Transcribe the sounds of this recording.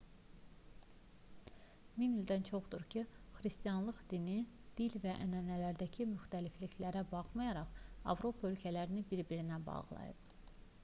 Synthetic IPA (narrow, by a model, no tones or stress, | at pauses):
minild̪ænt͡ʃʰo̞χd̪uɾcʰixɾist̪ijɑnlˠɯʁd̪̥ini | d̪̥ilvæʔænænælæɾd̪æcʰimyxt̪ælifliçlæɾæbɑχmɑjɑɾɑχɑ̰vɾo̞pʰɑø̞lcʰælæɾinibiɾbiɾinæbɑ̰ʁlˠɑ̰jɯ̰b